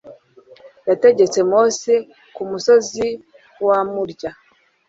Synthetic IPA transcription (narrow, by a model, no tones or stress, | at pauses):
jate̞ɟe̞t͡se̞mose | kumuso̞zi | wamuɾɟa